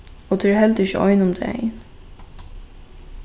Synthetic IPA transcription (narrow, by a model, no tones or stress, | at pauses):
ot̪ʰɛːɦɛlt̪ɪçə̰ʔɔ̰jnʊmd̪ɛ̰ɛ̰ɪn